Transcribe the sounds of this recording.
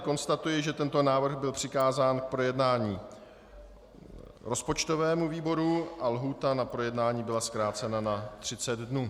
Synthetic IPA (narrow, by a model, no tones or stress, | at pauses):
ko̞nst̪at̪ujɪʒɛt̪ɛnt̪o̞naːvr̩ɣbɪlpr̥ɪkaːzaːnk̚pɾo̞jɛdnaːɲiː | ɾo̞spo̞t͡ʃt̪o̞vɛːmuviːbo̞ɾuʔalɦuːt̪anapɾo̞jɛdnaːɲiːbɪlaskɾaːt͡sɛnanat̪r̝̥ɪt͡sɛd̪dnuː